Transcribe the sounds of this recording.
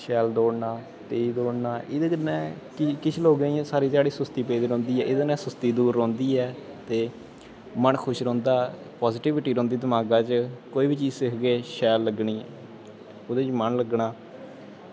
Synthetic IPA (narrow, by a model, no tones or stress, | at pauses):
ʃɛːld̪oːɽnaː | t̪eːid̪oːɽnaːʔɪd̪eːkənɛ̃ː | kɪkɪt͡ʃʰloːɡĩɛ̃ːsaːɾiːt̪aːɽiːsʊst̪iːpeːd̪eːɾõːnd̪iːɛːʔɪd̪enɛ̃ːsʊst̪iːd̪uːɾːõːnd̪iːɛːt̪eː | mənkʰʊʃɾɔ̃ːnd̪aː | pɔːzɪʈɪʋɪʈiːɾõːnd̪iːd̪əmaːɡaːt͡ʃkoːiːbiːt͡ʃiːsɪkʰɡeːʃɛːlːəɡɳiː | od̪eːt͡ʃmənləɡɳaː